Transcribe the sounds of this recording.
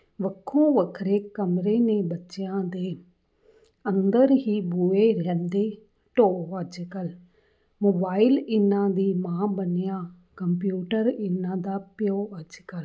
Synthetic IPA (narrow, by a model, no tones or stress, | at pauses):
ʋəkʰːõːʋəkʰɾeːkəmɾeːnebətːʃɪjãːd̪eː | ə̃nd̪əɾɦiːbueɾɦɛ̃ːnd̪eː | ʈoːəd͡ʒkəl | moːbaːɪlɪnãːd̪iːmãːbənɪjãː | kəmpjuːʈəɾɪnãːd̪aːpɪjoːəd͡ʒkəl